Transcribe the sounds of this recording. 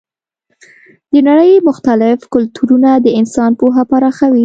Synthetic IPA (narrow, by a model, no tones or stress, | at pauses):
d̪ənaɽəjmʊxt̪alɪfkʊlt̪ʰuɾunad̪əɪnsɑnpoɦapaɾɑxawi